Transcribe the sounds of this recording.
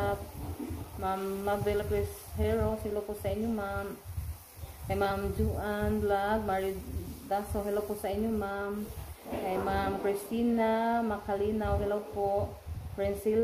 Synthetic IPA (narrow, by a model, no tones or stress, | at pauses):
p̚ | mamːabɛlapɹɛshɛɹɔsɛlapɔsainumam | ɛmamzuanblak̚maɹidasawɦɛlapɔsainumamɛmamkɹistinamakʰalinawɦɛlawpɔ | pɹɛnsil